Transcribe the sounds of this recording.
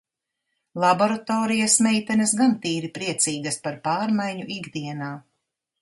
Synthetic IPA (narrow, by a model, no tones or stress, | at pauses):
lˠabɔɾat̪ɔːɾijasmɛjt̪ɛnɐsɡant̪iːɾipɾiɛt̪siːɡɐspaɾpaːɾmajɲuʔiɡd̪iɛnaː